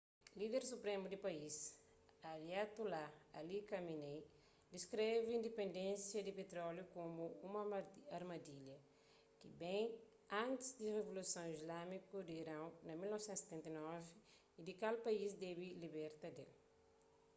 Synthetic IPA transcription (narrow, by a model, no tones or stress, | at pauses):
lid̪eɾsupɾemud̪ipɐis | aɾjat̪ulaalikɐminej | d̪iskɾeviĩnd̪epẽnd̪ẽnsjɐd̪ipet̪ɾɔljukomuumɐaɾmɐd̪iljɐ | kibẽj̃ | ãnt̪izd̪irevolusɐ̃w̃izlamikud̪iːɾãwnɐmilnɔvsẽnt̪set̪ẽnt̪ɐnɔviː | d̪ikalpɐisd̪ɛbilibɛɾt̪ɐd̪ḛl